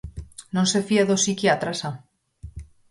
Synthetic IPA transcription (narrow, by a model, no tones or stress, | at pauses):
nõnsefiaðosikeat̪ɾasa